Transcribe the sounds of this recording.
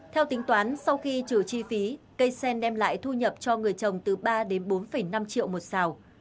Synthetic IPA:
t̪ʰɛ˧wt̪ï˨˦ŋ̟t̪waː˨˦nsa˧wxi˧t͡ɕɨ˧˩t͡ɕi˧fi˨˦ | kə˧jsɛ˧nɗɛ˧mla̰ː˧˨jt̪ʰu˧ɲə˨˩p̚t͡ɕɔ˧ŋɨ˨˩əjt͡ɕə˨˩wŋ͡mt̪ɨ˨˩ɓaː˧ɗe˨˦nɓo˨˦nfə˨˩jna˧mt͡ɕḭ˧˨ə˨wmo˨˩t̚saː˨˩w

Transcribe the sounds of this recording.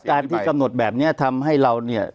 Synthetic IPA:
kaː˧nt̪ʰiː˥˩ka˧mno˨˩t̪̚bɛː˨˩p̚ni˦˥ɐt̪ʰa˧mɦa˥˩jɾa˧wni˥˩ɐ

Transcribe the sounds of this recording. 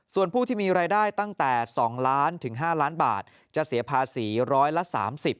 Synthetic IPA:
su˨˩ənpʰuː˥˩t̪ʰiː˥˩miː˧ɾaː˧jdaː˥˩jt̪a˥˩ŋt̪ɛː˨˩sɔː˩˦ŋlaː˦˥nt̪ʰɯ˩˦ŋɦaː˥˩laː˦˥nba̰ː˨˩t̪̚ | t͡ɕa˨˩si˩˦ɐpʰaː˧siː˩˦ɾɔː˦˥jla˧˦˥ʔsa̰ː˩˦msi˨˩p̚

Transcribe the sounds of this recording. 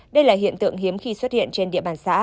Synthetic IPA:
ɗə˧jlaː˨˩ɦḭ˧˨ənt̪ɨ̰˧˨əŋɦi˨˦əmxi˧swə˦˥t̚hḭ˧˨ənt͡ɕe˧nɗḭ˧˨əɓaː˨˩nsa̰ː˧˥

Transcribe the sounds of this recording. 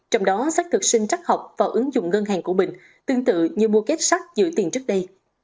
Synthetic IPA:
t͡ɕɔ˧wŋ͡mɗɔ˨˦sa˦˥k̚t̪ʰɨ˨˩k̚sï˧ŋ̟t͡ɕa˦˥k̚ha˨˩wk͡p̚vaː˨˩wʔɨ˨˦ŋzʊ̰˧˨ŋ͡mŋə˧nɦaː˨˩ŋku˧˩əmï˨˩ŋ̟ | t̪ɨ˧əŋt̪ɨ̰˧˨ɲɨ˧mu˧əke˦˥t̚sa˦˥k̚zɨ̰˧˥t̪i˨˩ənt͡ɕɨ˦˥ək̚ɗə˧j

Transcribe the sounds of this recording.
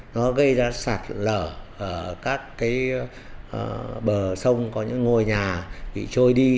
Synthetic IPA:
nɔ˨˦ɣə˧jzaː˧saː˨˩t̚ləː˧˩ʔəː˧˩kaː˦˥kːaː˨˦j | ɓəː˨˩sə˧wŋ͡mkɔ˨˦ɲɨ̰˧˥ŋːo˧jɲaː˨˩ɓḭ˧˨t͡ɕo˧jɗi˧

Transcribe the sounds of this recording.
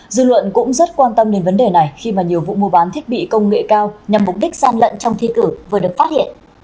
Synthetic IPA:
zɨ̰˧˨lwə̰˧˨nkʊ̰˧˥ŋ͡mzə˦˥t̚kwaː˧nt̪ə˧mɗe˨˧nvə˨˦nɗe˨˩na˨˩jxi˧maː˨˩ɲi˨˩əwvṵ˧˨mu˧əɓaː˨˦nt̪ʰi˦˥ət̚ɓḭ˧˨kə˧wŋ͡mŋḛ˧˨kaː˧wɲa˨˩mːʊ˨˩k͡p̚ɗi˦˥k̟̚zaː˧nlə̰˧˨nt͡ɕɔ˧wŋ͡mt̪ʰi˧kɨ˧˩vɨ˨˩əɗɨ˨˩ək̚faː˦˥t̚hḭ˧˨ənʔ

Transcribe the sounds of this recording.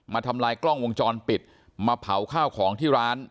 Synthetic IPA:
maː˧t̪ʰa˧mlaː˧jklɔ˥˩ŋwo˧ŋt͡ɕɔː˧npi˨˩t̪̚ | maː˧pʰa˩˦wkʰaː˥˩wkʰɔː˩˦ŋt̪ʰiː˥˩ɾaː˦˥n

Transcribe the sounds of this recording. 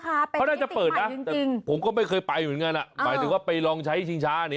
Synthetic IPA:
a˦˩˧ɔ˥˩naː˥˩t͡ɕa˨˩pɤː˨˩t̪̚ʔa˦˥˧ŋ˨i˧ŋpʰo˩˦mkɔː˥˩ma˥˩jkʰɤː˧jpa˧ju˨˩˦ŋa˧nʔa˨˩maː˨˦jt̪ɯ˨˦ŋwaː˥˩pa˧jlɔː˧ŋt͡ɕʰa˦˥˩t͡ɕʰi˧ŋt͡ɕʰaː˦˥a˨ni˦

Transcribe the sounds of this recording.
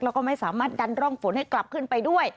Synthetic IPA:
ɾɛ˦˥wkɔː˥˩ma˥˩jsaː˩˦maː˥˩t̪̚da˧nɾɔː˥˩ŋfo˨˦nha˥˩jkla˨˩p̚kʰɯ˥˩npa˧jdu˥˩əj

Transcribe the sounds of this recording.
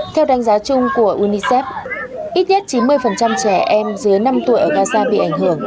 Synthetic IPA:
t̪ʰɛ˧wɗa˨˦ŋ̟zaː˨˦t͡ɕʊ˧ŋ͡mku˧˩əʔu˧ni˧sɛ˦˥p̚ʔi˦˥t̚ɲɛ˦˥t̚t͡ɕi˨˦nmɨ˧əjfə˨˩nt͡ɕa˧mt͡ɕɛ˧˩ʔɛ˧mzɨ˨˦əjna˧mt̪u˧˩əjʔəː˧˩ɣaː˧zaː˧ɓḭ˧˨ʔa˧˩ŋ̟ɦɨ˧˩əŋ

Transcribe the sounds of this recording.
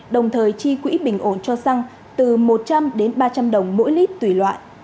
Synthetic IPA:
ɗə˨˩wŋ͡mt̪ʰəː˨˩jt͡ɕi˧kwḭ˧˥ɓï˨˩ŋ̟ʔo˧˩nt͡ɕɔ˧sa˧ŋ | t̪ɨ˨˩mo˨˩t̚t͡ɕa˧mɗe˨˦nɓaː˧t͡ɕa˧mɗə˨˩wŋ͡mmo̰˧˥jli˦˥p̚t̪wi˧˩lwa̰ː˧˨nʔ

